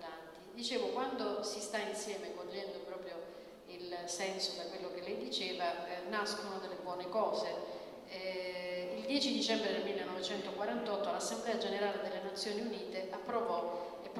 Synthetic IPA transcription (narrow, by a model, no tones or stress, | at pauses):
antt̪id̪it͡ʃeːvokwand̪osist̪ainsjɛːmekoʎːɛnd̪opɾɔːpɾjo | ilsɛnsod̪akwelːokelːɛjd̪it͡ʃeːvanaskonod̪elːebwɔːnekɔːze | ild̪jɛːt͡ʃid̪it͡ʃɛmbɾed̪elmilːenːɔvet͡ʃɛnt̪okwaɾant̪ɔt̪ːolasːemblɛːad͡ʒeneɾaːled̪elːenat̪sːjoːniuniːt̪eʔapːɾovɔ | epː